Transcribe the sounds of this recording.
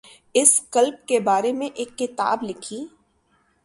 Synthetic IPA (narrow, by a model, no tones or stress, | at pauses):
ɪskɐlb̚kebaːɾemẽʔeːkːɪt̪a̰ːblɪkʰiː